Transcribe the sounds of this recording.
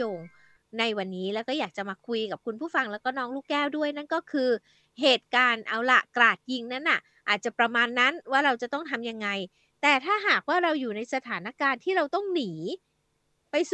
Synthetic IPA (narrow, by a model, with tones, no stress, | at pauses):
oː˧ŋ | na˧jwa˧nːiː˦˥lɛː˦˥wkɔ˥˩jaː˨˩k̚t͡ɕa˨˩maː˧kʰu˧jka˨˩p̚kʰu˧npʰuː˥˩fa˧ŋlɛː˦˥wkɔː˥˩nɔː˦˥ŋluː˥˩kːɛː˥˩wdu˥˩əjna˥˩nkɔː˥˩kʰɯː˧ | ɦeː˨˩t̪̚kaː˧nʔa˧wla˨˩klaː˨˩t̪̚ji˧ŋna˦˥nʔa˨˩ʔ | ʔaː˨˩t̪̚t͡ɕa˨˩pɾa˧maː˧nːa˦˥nwaː˥˩ɾa˧wt͡ɕa˨˩t̪ɔ˥˩ŋt̪ʰa˧mja˧ŋːa˧j | t̪ɛː˨˩t̪ʰaː˥˩ɦaː˨˩k̚waː˥˩ɾa˧wjuː˨˩na˧jsa˧t̪ʰaː˩˦na˦˥kaː˧nt̪ʰiː˥˩ɾa˧wt̪ɔ˥˩ŋniː˩˦ | pa˧js